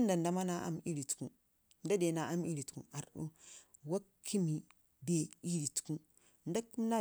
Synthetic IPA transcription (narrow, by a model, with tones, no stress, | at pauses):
nda˨nda˦ma˦na˦ʔa̰˦mi˦ɾi˨tkṵ˦ | nda˦de˨na˨a˦mi˦ɾi˨tkṵ˨a˨ɾṵ˦ | wa˦kʰːi˦mi˨ | de˨i˦ɾi˨tku˦ | nda˦ku˦m˦na˦